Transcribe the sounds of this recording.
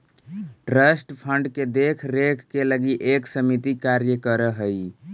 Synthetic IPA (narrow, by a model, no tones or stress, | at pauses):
ʈɾəsʈpʰəɳɖked̪ekʰɾekʰkeləɡiʔeksəmit̪ikaɾjəkəɾəɦəi